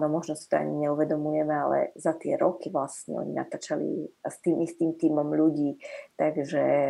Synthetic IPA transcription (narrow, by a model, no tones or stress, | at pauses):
nɔmɔʒnɔsi̥t̪ɔa̰ɲiɲɛuʋɛd̪ɔmujɛmɛalɛ̰zat̪ɪɛɾɔkiʋlasɲɛ̰ɔ̰ɲina̰t̪aːt͡ʃalḭst̪iːmist̪iːmt̪iːmɔmʎuɟiːt̪aɡʒɛ